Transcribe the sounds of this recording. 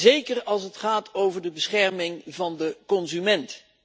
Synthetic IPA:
zejkərɑlˠsətχaːtʰowvəɹdəbəsχɛɹmɪŋvɑndəkɔnzymɛnt

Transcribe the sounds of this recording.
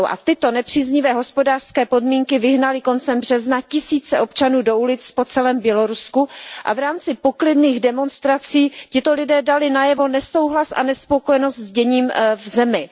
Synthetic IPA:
wʔa̰t̪ɪt̪o̞nɛpr̝̥iːzɲɪvɛːɦo̞spo̞daːr̥skɛːpo̞dmiːŋkɪvɪɦnalɪko̞nt͡sɛmbrɛznacɪsiːt͡sɛʔo̞pt͡ʃanuːdo̞ulɪt͡spo̞t͡sɛlɛːmbjɛlo̞ɾuskuʔa̰vɾaːmt͡sɪpo̞klɪdniːɣdɛmo̞nst̪ɾat͡siːcɪt̪o̞lɪdɛːdalɪnajɛvo̞nɛso̞wɦlasʔa̰nɛspo̞kojɛno̞st̪zɟɛɲiːmvzɛmɪ

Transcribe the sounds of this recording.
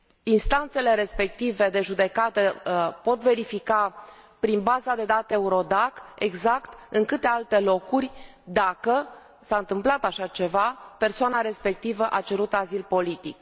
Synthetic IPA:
inst̪ant̪se̞le̞ɾe̞spe̞k̚t̪ive̞d̪e̞ʒud̪e̞kat̪əpo̞t̪ve̞ɾifikapɾinbazad̪e̞d̪at̪euɾo̞d̪ake̞̰ɡzakt̪ɨŋkɨt̪e̞alt̪e̞lo̞kurʲ | d̪akə | saɨnt̪ɨmplat̪aʃat͡ʃe̞vape̞rsoanaɾe̞spe̞k̚t̪ivəʔat͡ʃe̞ɾut̪azilpo̞lit̪ik

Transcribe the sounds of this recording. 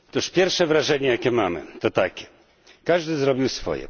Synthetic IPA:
t̪uʂpʲjɛɾfʂɛvɾaʐɛɲɛjakʲɛmamɘ̰t̪ɔt̪akʲɛ̥ | kaʐd̪ɘzɾɔbʲiwsfɔ̰jɛ̰

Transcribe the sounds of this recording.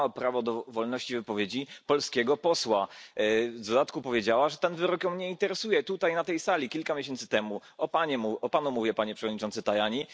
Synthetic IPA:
ɔpɾavɔd̪ɔvɔlnɔɕt͡ɕivɘpɔvʲjed͡ʑipɔlskʲɛɡɔpɔswa | d̪ɔd̪at̪̚kupɔvʲjed͡ʑawaʐɛt̪ɛnvɘɾɔkjɔmɲɛint̪ɛɾɛsujɛt̪ut̪ajnat̪ɛjsalʲikʲilkamʲeɕɛnt̪sɘ̥t̪ɛmuɔpaɲɛmuɔpanumuvʲjɛpaɲɛpʂɛvɔd̪ɲit͡ʂɔnt̪sɘt̪ajaɲi

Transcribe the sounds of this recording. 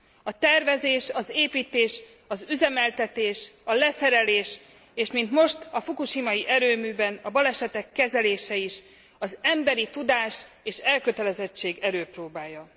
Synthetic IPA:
ɒt̪ɛrvɛzeːʃɒzeːpiːt̪eːʃ | ɒzyzɛmɛlt̪ɛt̪eːʃɒlɛsɛɾɛleːʃ | eːʃmint̪mo̞ʃt̪ɒfukuʃimɒjiʔɛɾøːmyːbɛnɒbɒlɛʃɛt̪ɛkːɛzɛleːʃɛiʃ | ɒzɛmbɛɾit̪ud̪aːʃ | eːʃɛlkø̞t̪ɛlɛzɛt͡ʃːeːɡɛɾøːproːbaːjːɒ

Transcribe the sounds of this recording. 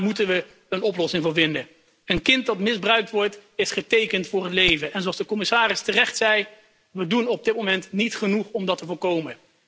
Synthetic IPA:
mutənʋə | ənɔplɔsɪŋvʊːɹvɪndə | ənkɪnt̚dɑtmɪzbrœɥk̚tʋɔɹtɪsχətejkəntfʊːrətlejvənʔɛnzoɑlˠzdəkɔmɪsaːrɪstərɛχtsɛj | ʋədunɔb̚dɪt̚momɛntnitχənuχɔmdɑtəvʊːɹkowmə

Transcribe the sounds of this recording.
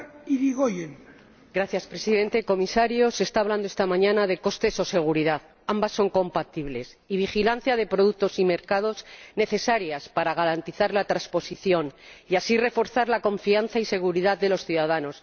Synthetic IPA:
iðiɣojen | ɡɾaθjaspɾe̞siðe̞nt̪eko̞misaɾjo̞se̞ːst̪aːβland̪oest̪amãɲãnaðe̞ko̞st̪e̞so̞se̞ɣ̞uɾiðað | ambasːo̞ŋko̞mpat̪iβle̞s | iβ̞ixilan̟θjaðe̞pɾo̞ðuk̚t̪o̞sime̞ɾkað̞o̞zne̞θe̞saɾjaspaɾaɣ̞aɾant̪iθaɾlat̪ɾaspo̞siθjo̞niasire̞fo̞ɾθaɾlako̞ɱfianθaise̞ɣ̞uɾiðaððe̞lo̞sθjuðaðano̞s

